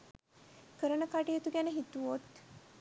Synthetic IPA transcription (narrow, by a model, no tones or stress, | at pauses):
kəɾənəkaʈijet̪uɡænəɦit̪uʋot̪